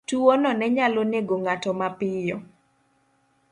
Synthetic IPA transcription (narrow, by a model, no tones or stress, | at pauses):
tuwɔnɔnɛɲaloneɡoŋatɔmapɪjɔ